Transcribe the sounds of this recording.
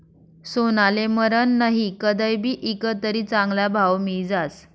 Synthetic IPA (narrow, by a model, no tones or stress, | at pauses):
sonaleməɾənːəɦikəd̪əjbʱiːʔikət̪əɾiːt͡saŋɡlabʱawmid͡zat͡s